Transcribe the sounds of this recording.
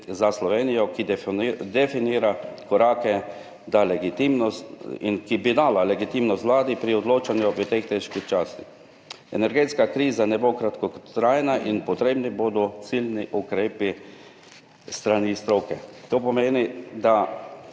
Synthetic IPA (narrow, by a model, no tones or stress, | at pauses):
zaslɔʋeːnijɔkid̪ɛfiniːɾakɔɾaːkɛ | d̪alɛɡit̪imnɔsḭnkibid̪aːlalɛɡit̪imnɔst̪ʋlaːd̪ipɾiɔd̪loːt͡ʃanjuʋət̪eːxt̪eʃkixt͡ʃaːst̪ix | ɛ̰nɛɾɡeːt̪skakɾiːzanɛbokɾat̪kɔt̪ɾajɛnaʔinpɔt̪ɾeːbniboːd̪ɔt̪silniʔukɾeːpi | st̪ɾanist̪ɾoːkɛt̪oːpɔmeːnid̪a